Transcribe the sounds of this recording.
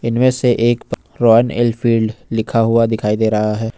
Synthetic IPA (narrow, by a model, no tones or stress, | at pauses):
ɪnmẽseʔeːkp | ɾɔːənɪ̰lfiːlɖlɪkʰaɦʊad̪ɪkʰaːid̪eːɾɐɦaɦɛː